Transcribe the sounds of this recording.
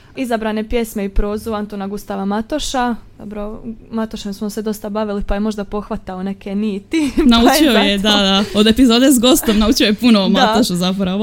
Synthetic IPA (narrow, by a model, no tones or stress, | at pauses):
izabɾane̞pje̞smeipɾo̞ːzuant̪onaɡust̪aʋamat̪o̞ʃad̪̥o̰bɾomat̪oʃemsmosed̪o̞st̪abaʋilipajemo̞ʒd̪apo̞xʋat̪aone̞keniːt̪inaut͡ʃiojed̪ad̪aod̪e̞pizoːd̪ezɡo̞stt̪omnaut͡ʃiojepunomat̪oʃuzapoɾa